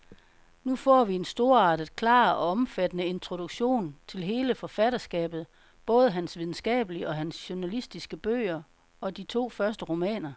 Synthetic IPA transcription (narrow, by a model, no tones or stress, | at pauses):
nufɒ̰ːʋie̝nsd̥o̝ɐ̰ɑ̈ːd̥ð̩ˠkʰlɑ̰̈ːɒɒ̽mfæd̥ənəe̝nt͡sʰʁo̝d̥uɡ̥ɕo̝̰ːnt͡sʰe̝lɦe̝ːləfɒ̽fædɐsɡ̥ɛ̰ːb̥ð̩ˠ | b̥ɔ̽ːð̞ˠəɦænsʋiðˠn̩sɡ̥ɛ̰ːb̥əliɒ̽ɦænsɕunælisd̥isɡ̥əb̥ø̰ːɐ | ɒ̽d̥it͡sʰo̝̰ːfɶɐsd̥əʁo̝mɛ̰ːnɐ